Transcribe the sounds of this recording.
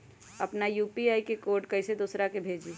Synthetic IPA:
əpnajuːpiaikekoɾɖkəɪsed̪oːsɾakebʱeːd͡ʒi

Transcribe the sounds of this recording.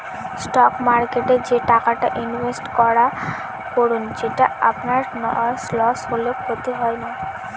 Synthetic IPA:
sʈɔkmaɾkeʈed͡ʑeʈakaʈaʔinvesʈkɔɽa | koɽund͡ʑeʈaa̰pnaɾnɔ̰slɔsɦolekʰot̪eɦɔena

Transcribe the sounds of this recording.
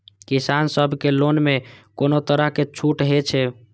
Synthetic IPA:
kisansəbʱkelonmekonot̪əɾəɦket͡ʃʰuʈɦet͡ʃʰɛ

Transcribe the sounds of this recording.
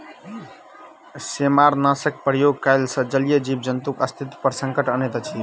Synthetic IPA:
semaɾnãsək̚pɾəjoɡ̚kajlsə̃d͡ʒəlijəd͡ʒib̚d͡ʒənt̪ukəst̪ʰit̪pəɾsəŋkəʈənet̪t͡ʃʰi

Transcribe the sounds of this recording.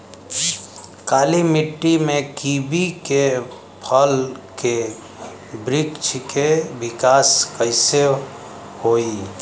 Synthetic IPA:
kaːlimɪʈːimẽkibike | pʰəlke | bɾɪkt͡ʃʰkebɪkaːskəɪse | hoi

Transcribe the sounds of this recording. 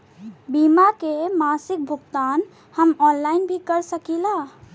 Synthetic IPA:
bimakemasik̚bʱuɡt̪an | həmɔnlainbʱikəɾsəkila

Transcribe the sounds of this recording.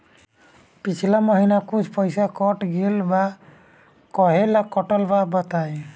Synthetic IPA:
pit͡ʃʰilamɔɦinakud͡ʒʱpɔjsakɔʈɡilba | kɔɦɛlakːɔʈɔlbabat̪aj

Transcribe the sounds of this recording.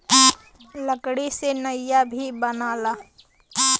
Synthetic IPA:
ləkɽisenɐjabʱibɐnaːlaː

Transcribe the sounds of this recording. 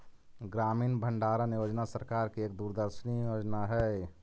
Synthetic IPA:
ɡɾaːmiːnbʱəɳɖaɾənjoːd͡ʒnasəɾkaɾkieːk̚d̪uɾd̪əɾʃənijjoːd͡ʒnaɦɛ

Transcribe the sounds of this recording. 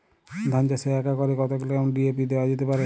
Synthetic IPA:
d̪ʱant͡ʃaseakakɔɾekɔt̪okeloamɔnɖiepid̪ewad͡ʒet̪epaɾe

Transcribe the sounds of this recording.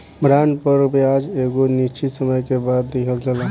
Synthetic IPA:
bɾanpəɾbjad͡ʒeɡonit͡ʃisəməjkebad̪ːiɦəld͡ʒəla

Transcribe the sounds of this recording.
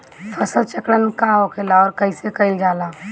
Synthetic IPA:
fʰəsəlt͡ʃəkɽənkãokʰelaɔːɾkəɪsekɐɪld͡ʒaːlaː

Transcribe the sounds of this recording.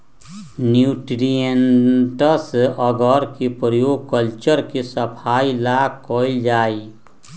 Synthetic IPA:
njuːʈɾijenʈəsɔɡɔɾkipɾəjoːɡ̚kəlt͡ʃəɾkisəpʰaːilakoɪld͡ʒaːi

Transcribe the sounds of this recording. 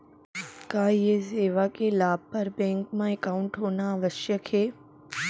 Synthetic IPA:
kaːjeseːʋakelaːb̚pɐɾbɛ̃ːŋkmãekaʊɳʈɦoːnaʋəʃjəkheː

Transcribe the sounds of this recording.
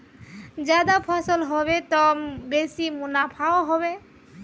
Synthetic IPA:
d͡ʒad̪apʰasɔlɦɔbet̪ɔmbesimunapʰaoɦɔbe

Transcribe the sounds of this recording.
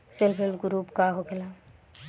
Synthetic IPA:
sɪlpʰɪlbɡɾuːpkaɦokʰela

